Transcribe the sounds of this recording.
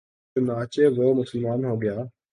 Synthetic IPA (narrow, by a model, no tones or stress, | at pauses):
ʊnaːt͡ʃeːʋoːmʊsəlmaːnɦoːɡɪjaː